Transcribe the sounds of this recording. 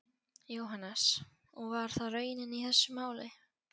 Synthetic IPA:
joːwɦanːas | ɔɣvaɾ̥θarœːɥjɪnɪniθɛsːʏmaːwlɪ

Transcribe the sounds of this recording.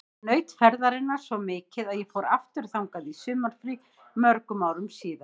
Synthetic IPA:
nœːɥt̪fɛɾðaɾɪnːaɾ̥svɔmɪːcɪðaðjɛfɔːɾaft̪ʏɾ̥θawŋkaðisʏːmaɾ̥fɾi | mœɾkʏmawɾʏmsiːða

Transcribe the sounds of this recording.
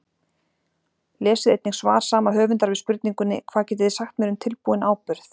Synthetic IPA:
lɛːsɪðejt̪niŋsvaːɾ̥saːmaɦœːvʏnt̪aɾvɪðspʏɾt̪niŋkʏnːɪkʰv̥aːðcɛːt̪ɪðɪsaxt̪mɛːɾʏmt̪ʰɪlpuːɪnaːwpʏɾθ

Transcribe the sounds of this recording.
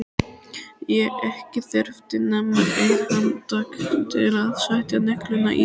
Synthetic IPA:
jɛɛhcɪθœɾft̪ɪnɛmːaʔejkamt̪akt̪ʰɪlaðsajht̪janɛklʏnːa̰ʔi

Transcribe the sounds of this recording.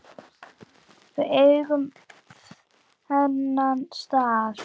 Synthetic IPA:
fvɛejɣʏm | hɛnːanst̪aːð

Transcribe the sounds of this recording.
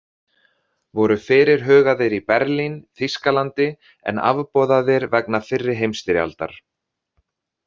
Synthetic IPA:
vɔɾʏfɪːɾɪɾ̥ɦœːɣaðɪɾipɛɾlinθiskalant̪ɪ | ɛ̰na̰vpɔːðaðɪɾvɛk̚nafɪrːɪɦejmst̪ɪɾja̰lt̪a̰ɾ̥

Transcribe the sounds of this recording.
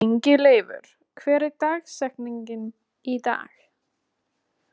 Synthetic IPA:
ɲcɪleːjvʏ̰ɾ̥ | kʰvɛːɾɪt̪aːɣsɛhkniɲcɪn | it̪a̰ːx

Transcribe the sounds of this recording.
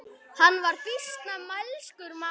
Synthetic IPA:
hanːvaɾ̥fɪst̪namalskʏɾma

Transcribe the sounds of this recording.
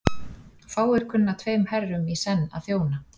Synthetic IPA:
faːwɛɾ̥kʰʏnːat̪ʰveːjmhɛrːʏmisɛnːa̰ðθjoːwna

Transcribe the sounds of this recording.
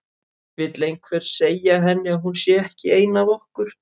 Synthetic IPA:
vɪt̪lejnkʰvɛɾ̥seːjaɦɛnːɪaɦunsjɛɛhcɪeːjnavɔhkʏɾ̥

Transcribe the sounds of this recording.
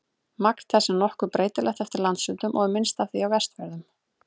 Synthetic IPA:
makn̥t̪θɛsːɛmnɔhkʏpɾʔeːjt̪ɪlɛxt̪ɛft̪ɪɾlant̪sʏːt̪ʏmʔɔɣmɪnst̪avθiawvɛst̪vɛɾðʏm

